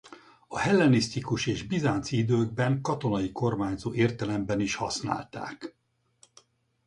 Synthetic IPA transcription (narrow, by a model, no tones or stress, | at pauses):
ɒhɛlːɛnist̪ikuʃeːʒbizaːnt̪sid̪øːɡ̚bɛŋkɒt̪o̞nɒjiko̞rmaːɲzoːʔeːrt̪ɛlɛmbɛniʃhɒ̰sna̰ːlt̪a̰ːk